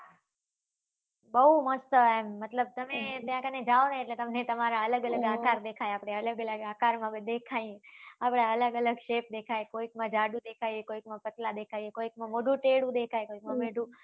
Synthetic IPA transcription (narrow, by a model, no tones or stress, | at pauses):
bəɦuməst̪əemːət̪ləb̚t̪əmet̪jãkəned͡ʒaonəeʈlet̪əmnet̪əmaɾaələɡələɡakaɾd̪ekʰajaːpɽ̃eələɡələɡaːkaɾmãbəd̪ekʰajeapɽ̃aələɡələɡʃep̚d̪ekʰaekoikmãd͡ʒaɖũd̪ekʰaijekoikmãpət̪lad̪ekʰaiekoikmãmoɖũʈeɽũd̪ekʰaekoikmãmeɖʱũ